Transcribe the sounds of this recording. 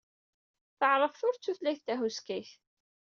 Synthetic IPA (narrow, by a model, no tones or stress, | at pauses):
θəʕɾˤəvθʊɾt͡sːuθlæθt̪æɦuskiç